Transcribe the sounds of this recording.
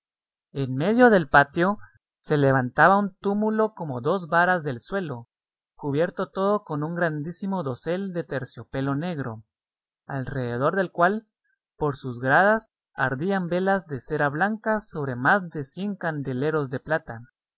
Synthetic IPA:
e̞nme̞ðjo̞ðe̞lpat̪jo̞ | se̞le̞β̞ant̪aβaunt̪umulo̞ko̞mo̞ðo̞zβaɾazðe̞lswe̞lo̞ | kuβje̞ɾt̪o̞t̪o̞ðo̞ko̞nuŋɡɾand̪isimo̞ðo̞se̞ld̪e̞t̪e̞ɾsjo̞pe̞lo̞ne̞ɣɾo̞ | alre̞ðeðo̞ɾðe̞lkwal | po̞ɾsuzɣɾaðas | aɾðiambe̞lazðe̞se̞ɾaβlaŋkaso̞β̞ɾe̞mazðe̞sje̞ŋkand̪e̞le̞ɾo̞zðe̞plat̪a

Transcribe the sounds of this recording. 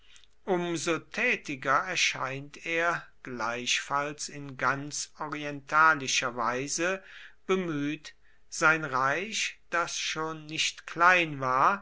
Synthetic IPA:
ʔʊmzotʰɛːtɪɡɐɛɐʃa̰ɪnteːɐɡ̥laɪʃfalsɪnɡant͡sɔʁiɛntʰaːlɪʃɐvaɪzəb̥əmyːt | z̥aɪnʁaɪʃd̥asʃoːnːɪʃtkl̥aɪnvaːɐ

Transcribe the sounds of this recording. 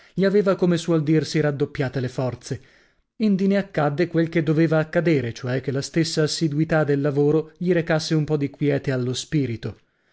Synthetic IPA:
ʎiaveːvakomeswɔld̪irsiɾad̪ːopːjaːt̪elefɔrt̪se | ind̪ineakːad̪ːekwelk̟ed̪ːoveːvaːkːad̪eːɾet͡ʃoɛk̟ːelast̪esːaːsːid̪wit̪ad̪elːavoːɾoʎiɾekasːeumpɔd̪ikwjɛːt̪ealːospiːɾit̪o

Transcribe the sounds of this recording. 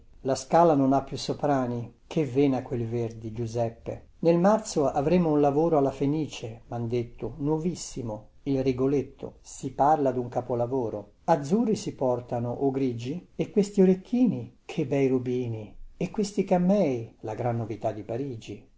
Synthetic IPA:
laskaːlanonapːjusːopɾaːnikʰevɛːnakːwelverd̪id͡ʒuzɛpːḛ | nelmart̪soavɾɛːmounlavoːɾoalːafeniːt͡ʃemand̪et̪ʰːʊnwɔvisːimo | ilriɡolet̪ʰːo̰siparlad̪uŋkapolavoːɾo | ad̪zːurːisipɔrt̪anoʔoɡɾid͡ʒiekːwest̪ioɾek̪ʰːiːnikʰebɛjrubiːniekwest̪ikamːɛjlaɡɾanːovit̪ad̪ːipaɾiːd͡ʒi

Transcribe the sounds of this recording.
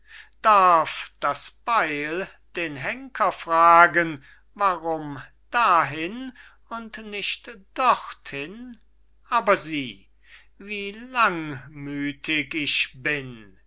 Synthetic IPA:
d̥aɐfd̥asb̥aɪl | d̥eːnɦɛŋkʰɐfʁ̥aːɡən | vaʁʊm | d̥aɦɪn | ʊntnɪʃtd̥ɔχthɪn | ʔaːbɐziː | viːlaŋmyːtʰɪkɪʃbɪn

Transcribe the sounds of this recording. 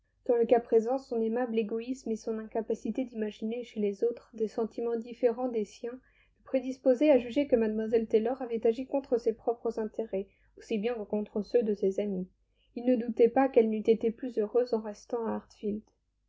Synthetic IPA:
kɑ̃ləkapχezɑ̃sɔ̃nemableɡɔismesɔ̃nɛ̃kapasit̪ed̪imaʒineʃelezot̪χd̪esɑ̃t̪imɑ̃d̪ifeʁɑ̃d̪esjɛ̃ | ypχed̪ispozɛaʒyʒekəmad̪mwazɛlt̪elɔʁavɛt̪aʒikɔ̃t̪χəsepχɔpχəzɛ̃t̪eʁɛ | osibjɛ̃kəkɔ̃t̪χəsød̪əsezami | ilnəd̪ut̪ɛpakɛlnyt̪et̪eplyzøʁøzɑ̃ʁɛst̪ɑ̃aaʁt̪fild̪̥

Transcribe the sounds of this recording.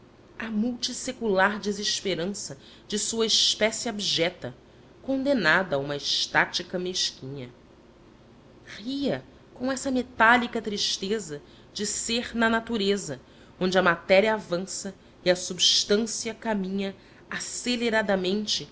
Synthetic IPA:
ɐmuwt͡ʃisekulaɾd͡ʒizeʃpeɾɐ̃sɐ | d͡ʒɪsuɐɪʃpɛsiobiʒɛt̪ɐ | kõnd̪enad̪ɐːũmɐɪʃt̪at͡ʃikɐmeʃkʲĩɲɐ | χiɐ | kõɛsɐmet̪alikɐt̪ɾiʃt̪ezɐ | d͡ʒɪseɾnɐnat̪uɾezɐ | õnd͡ʒɪɐmat̪ɛɾiɐːvɐ̃sɐ | iɐsubʃt̪ɐ̃siɐkamĩɲɐ | aseleɾad̪ɐmẽnt͡ʃɪ

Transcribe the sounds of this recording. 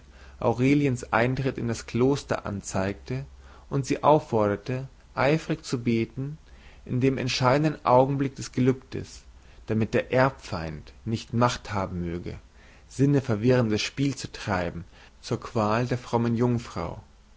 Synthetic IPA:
ʔa̰ʊʁeːljənsʔa̰ɪntʁ̥ɪtɪndaskl̥oːstɐ̰ʔa̰nt͡saɪk̚tə | ʔʊntz̥iːʔaʊfːɔɐɾɐtə | ʔaɪfʁ̥ɪçt͡subeːtn̩ʔɪndeːmɛ̰ntʃaɪdn̩dənʔa̰ʊɡŋ̩blɪk̚d̥ɛsɡ̥əlʏptə̰s | d̥amɪt̚d̥eːɐʔɛɐpfaɪntnɪçtmaχthaːbm̩møːɡə̰ | z̥ɪnəfɛɐvɪʁəndəsʃpiːlt͡sutʁ̥aɪbm̩ | t͡suːɐkv̥aːldeːɐfʁ̥ɔmənjʊŋfʁ̥a̰ʊ

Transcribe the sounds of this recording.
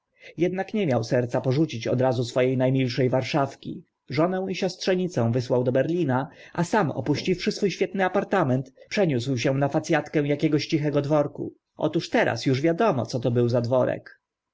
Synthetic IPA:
jɛd̪nakɲɛmʲjawsɛɾt̪sapɔʐut͡ɕit͡ɕɔ̰d̪ɾazusfɔjejnajmʲilʂɛjvaɾʂafkʲḭ | ʐɔnɛ̃w̃iɕɔst̪ʂɛɲit̪sɛ̃w̃vɘswawd̪ɔbɛɾlʲinaʔasamɔ̰puɕt͡ɕifʂɘsfujɕfʲjɛt̪nɘapaɾt̪amɛnt̪pʂɛɲuswɕɛw̃nafat̪sʲjat̪kɛ̃w̃jakʲɛɡɔɕt͡ɕixɛɡɔd̪vɔɾkṵ | ʔɔ̰t̪uʂt̪ɛɾʔa̰sjuʐvʲjad̪ɔmɔ̰t̪sɔt̪ɔbɘwzad̪vɔɾɛ̰k

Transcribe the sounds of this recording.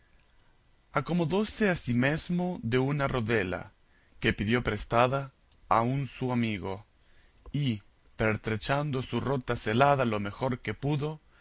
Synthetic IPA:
ako̞mo̞ðo̞se̞asime̞zmo̞ðe̞unaro̞ðe̞la̰ | ke̞piðjo̞pɾest̪aða | a̰unsuamiɣo | i | peɾt̪ɾet͡ʃand̪o̞suro̞t̪aselaðalo̞me̞xo̞ɾke̞puðo̞

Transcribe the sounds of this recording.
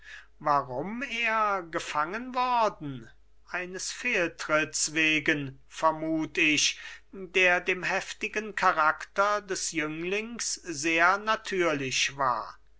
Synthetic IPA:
vaʁʊmeːɐɡəfaŋənvɔɐdn̩ | ʔaɪnəsfeːltʁ̥ɪtsv̥eːɡən | fɛɐmuːtɪɕdeːɐdeːmɦɛftɪɡənkʰaʁaktɐdɛsjʏŋlɪŋszeːɐnatʰyːɐlɪɕva̰ːɐ

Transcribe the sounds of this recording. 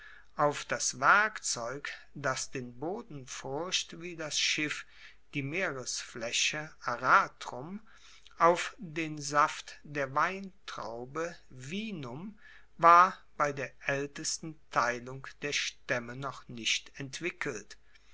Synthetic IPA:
ʔaʊfd̥asv̥ɛɐkt͡sɔʏk | d̥asd̥eːnboːdn̩fʊɐʃtviːdasʃɪf | d̥iːmeːʁəsflɛɕəʔaʁaːtʁʊm | ʔaʊfdeːnzaftd̥eːɐvaɪntʁ̥a̰ʊbəviːnʊm | vaːɐb̥aɪdeːɐʔɛltəstn̩tʰaɪlʊŋkd̥eːɐʃtɛmənɔχnɪʃtɛntv̥ɪkʰəlt

